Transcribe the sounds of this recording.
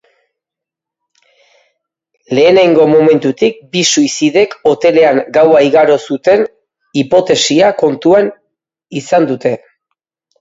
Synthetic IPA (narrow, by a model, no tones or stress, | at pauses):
le̞ːneajŋɡo̞mo̞me̞nt̪ut̪ik̚bisuisiðe̞ko̞t̪e̞le̞aŋɡawaiɣaɾo̞sut̪e̞n | ipo̞t̪e̞siako̞nt̪uan | isand̪ut̪e̞